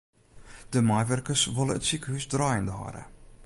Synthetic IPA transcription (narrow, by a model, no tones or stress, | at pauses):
d̥əmajʋɛrkərsʋoləə̰tsikəɦysdrɑːjɪndəɦɑ̰ɾə̰